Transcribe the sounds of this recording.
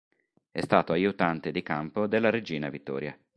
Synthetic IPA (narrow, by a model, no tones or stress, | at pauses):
ɛst̪aːt̪oajut̪ant̪ed̪ikampod̪elːaɾed͡ʒiːnavit̪ːɔ̰ːɾja